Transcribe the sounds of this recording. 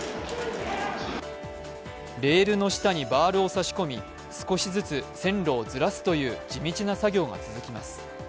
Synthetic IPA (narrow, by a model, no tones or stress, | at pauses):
ɾe̞ːɾɯ̟no̞ɕi̥t̪aɲ̟ibaːɾɯ̟osaɕi̥ko̞mʲi | sɨ̥ko̞ɕizɨt͡sɨsẽ̞nɾo̞ːzɨɾasɨ̥t̪o̞jɯ̟ːd͡ʑimʲit͡ɕinasaɡʲo̞ːɡa̰t͡sɨzɨkʲima̰sɨ̥